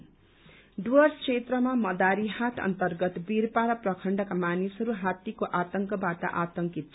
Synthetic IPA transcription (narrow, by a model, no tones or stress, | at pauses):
ɖʌrskʰet̪rʌmamʌd̪aɾihat̪ʰʌ̰nt̪ʌrɡʌt̪birpaɾʌprʌkʰʌɳɖʌkamanisɦʌɾuɦat̪ːikoʔat̪ʌŋkʌbat̪ʌ̰ʔat̪ʌŋkit̪̚ʰ